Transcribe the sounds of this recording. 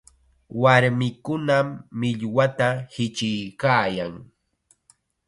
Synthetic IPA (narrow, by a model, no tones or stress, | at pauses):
waɾmɪkʊnamːɪʎwat̪ahɪt͡ʃɪjkaːjaŋ